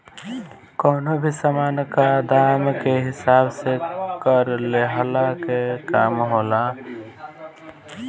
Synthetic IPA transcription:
kɔnobʱisamankad̪amkeɦɪsabsekəɾleɦlakekamɦola

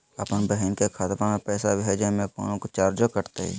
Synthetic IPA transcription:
ɐpənbəɦɛnkekʰaːt̪pamẽpɛːsabɦɛd͡ʒemẽko̰ːnõkot͡ʃaːɾd͡ʒokəɾt̪eɦɛ̰

